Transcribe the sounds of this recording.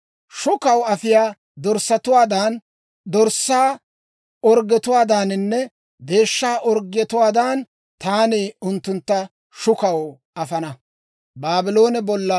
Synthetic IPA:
ʃʊkɐwɐfɪjaː | d̪ɔɾsːɐt̪ʊwaːd̪aːn | d̪ɔɾsːaː | ɔɾɡɛt̪ʊwaːd̪aːnɪnːɛ | be̞ːʃːaːʔɔɾɡɪjɛt̪ʊwaːd̪aːn | t̪aːneːʊnt̪ːʊnt̪ːɐ | ʃʊkɐw | ʔɐfɐnɐ | baːbɪlo̞ːnɛbɔlːɐ

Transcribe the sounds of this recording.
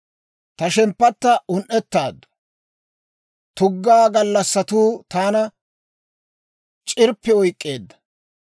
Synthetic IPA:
t̪ɐʃɛmpːɐt̪ːɐʊnʔɛt̪ːaːd̪ːʊ̥ | t̪ʊɡːaːɡɐlːɐsːɐt̪uːt̪aːnɐ | t͡ʃʼɪɾpːɛɔjkʼːeːd̪ːɐ̥

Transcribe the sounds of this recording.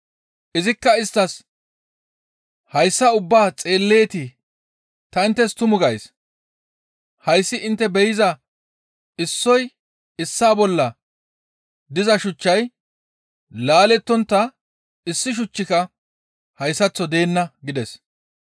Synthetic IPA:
ʔɪzɪkːɐɪst̪ːɐs | hɐjsːɐʊbːaːt͡sʼeːlːe̞ːt̪ɪ | t̪ɐɪnt̪ːɛst̪ʊmʊɡɐjs | hɐjsːɪʔɪnt̪ːɛbɛjɪzɐ | ɪsːɔj | ɪsːaːbɔlːɐ | d̪ɪzɐʃʊt͡ʃːɐj | laːlɛt̪ːɔnt̪ːɐ | ɪsːɪʃ̬ʊt͡ʃːɪkɐ | hɐjsːɐt͡sːɔd̪e̞ːnːɐɡɪd̪ɛs

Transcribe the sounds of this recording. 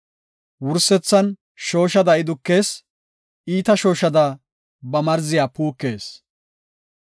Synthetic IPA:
wʊɾsːɛt͡sːɐn | ʃo̞ːʃɐd̪ɐɪd̪ʊkːe̞ːs | iːt̪ɐʃo̞ːʃɐd̪ɐ | bɐmɐɾzɪjaːpuːkːe̞ːs

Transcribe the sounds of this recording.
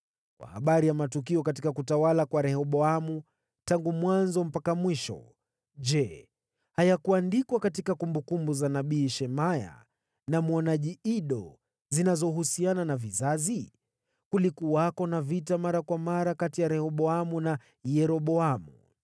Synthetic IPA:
kwʔa̰ha̰ɓaɾijamatukiɔkatikakutawalakwaɾɛhɔɓɔamu | taŋɡumwanzɔm̩pakamwiʃɔ̰ | d͡ʒɛ | hajakuandikwakatikakumbukumbuzanaɓiːʃɛmaja̰ | namwɔnaʄiiɗɔ | zinazɔɦusiananavizazi | kulikuakɔnavitamaɾakwamaɾakatijaɾɛhɔɓɔamuna | jɛɾɔɓɔamṵ

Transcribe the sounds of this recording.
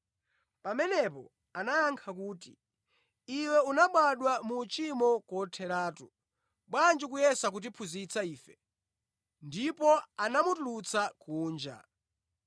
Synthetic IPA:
pamɛnɛpɔ | anajaŋkʰak̬uːti | iwɛunaɓwaɗwamut͡ʃimɔkwɔtʰɛɾaːtu | ɓwand͡ʒukujɛsak̬ut̬ipʰuzit͡saiːfɛ | ndipɔanamutulut͡sakuːnd͡ʒa̰

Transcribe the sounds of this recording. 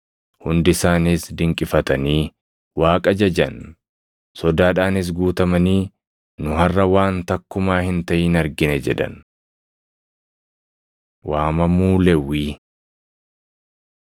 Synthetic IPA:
hʊnd̪ɪsaːnɪsd̪ɪŋkʼɪfɐt̪ɐniː | waːkʼɐd͡ʒɐd͡ʒɐn | sɔd̪aːᶑaːnɪs̬ɡuːt̪ɐmɐniː | nʊɦɐrːɐwaːnt̪ɐkːʊmaːhɪnt̪ɐʔɪnɐɾɡɪnɛd͡ʒɛᶑɐ̰n | wʔaːmɐmuːlɛwːiː

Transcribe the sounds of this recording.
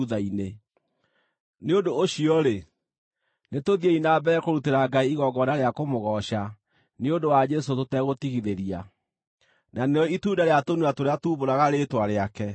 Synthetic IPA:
ðaine | neodoːɕiɔɾe | netoðieinabɛɾɛkoɾuteɾaɡaiiɣɔɡɔnaɾeakomoɣɔɕa | neondowad͡ʒɛsototɛɣotiɣiðeɾia | naneɔituːndaɾeatonuatoɾeatuːβoɾaɣaɾetwaɾeakɛ

